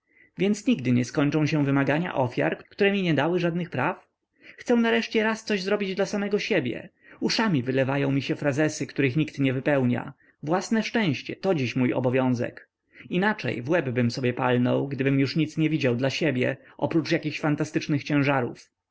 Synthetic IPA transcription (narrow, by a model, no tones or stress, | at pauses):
vʲjɛnt̪sɲiɡd̪ɘɲɛskɔɲt͡ʂɔ̃w̃ɕɛ̃vɘmaɡaɲa̰ʔɔfʲja̰ɾkkt̪uɾɛmʲiɲɛd̪awɘʐad̪nɘxpɾaf | xt̪sɛw̃naɾɛʂt͡ɕɛɾast̪sɔʑzɾɔbʲid͡ʑd̪lasamɛɡɔɕebʲjɛ̰ | uʂamʲivɘlɛvajɔ̃w̃mʲiɕɛfɾazɛsɘkt̪uɾɘxɲikt̪ɲɛvɘpɛwɲa̰ | vwasnɛʂt͡ʂɛ̃w̃ɕt͡ɕɛ̰t̪ɔd͡ʑiɕmujɔ̰bɔvʲjɔ̃w̃zɛ̰k | inat͡ʂɛ̰jvwɛbbɘmsɔbʲjɛpalnɔ̰wɡd̪ɘbɘmjuʂɲit̪sɲɛvʲid͡ʑawd̪laɕebʲjɛ̰ | ʔɔpɾut͡ʂjakʲixɕfant̪ast̪ɘt͡ʂnɘxt͡ɕɛ̃w̃ʐaɾṵf